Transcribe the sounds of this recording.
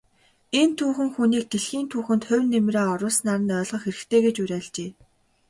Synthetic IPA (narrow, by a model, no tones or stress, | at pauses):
ent̪ʰuːxɘ̆ŋxuniːk̚t̪eɮxiːnt̪ʰuːxɘ̆nt̪χʊ̟wʲnːemreːɔɾʊːsnaɾə̆nœːɮʁɞ̆xeɾɘ̆xt̪ʰeːɡet͡ɕuɾʲæːɮt͡ɕeː